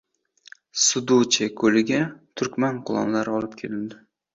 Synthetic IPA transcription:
sʊd̪ut͡ʃʰekʰɵlɪɡʲat̪ʰʊɾkʲmanqʰʊlˠɒ̰mlaɾɪɒlˠɪp̚kʲʰelɪnd̪ɪ

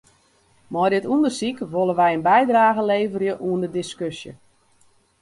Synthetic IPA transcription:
mɔjdɪtundərsikʋolˠəʋɛjənbɛjdraːɣəleːvərjəʔuəndədɪskøsjə̰

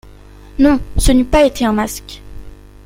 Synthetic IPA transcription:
nɔ̃sənypaet̪ʰeɛ̃mask

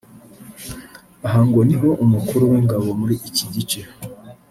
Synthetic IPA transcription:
aɦaŋɡo̞niɦo̞ʔumukuɾuwiːŋɡaβo̞muɾiʔiciɟit͡ʃe

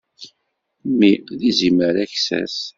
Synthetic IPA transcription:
mːiðiziməɾæçsæ̰s

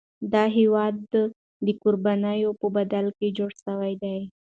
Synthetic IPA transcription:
d̪ɑɦiwɑd̪ː | ikʊɾbanajopəbad̪alked͡ʒoɽsawajd̪aj

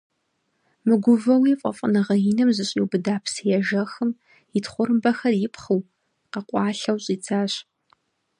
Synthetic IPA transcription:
mɨɡʷʊvɐwiːfʼɐ̰fʼənɨʁɐjinɨmzɨɕʼiwbɨdaːpʰsijɛʒɐxɨm | jɪtʰχʷʊɾɨmbɐxɐrjɪpχɨw | qɐqʷʼɑːɬɐwɕʼiːt͡sʰaːɕ

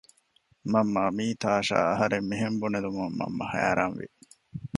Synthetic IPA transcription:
mɐmːɐːmiːt̪aːʃa̰ːɐɦɐɾemːiɦembuned̪umɐmːɐ̰mːɐhæ̰ɾɐnʋḭ

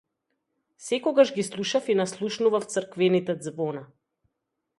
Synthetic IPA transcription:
sɛkɔɡaʒɡislˠuʃafinaslˠuʃnuvaft̪səɾkvɛnit̪ɛd̪zvɔna

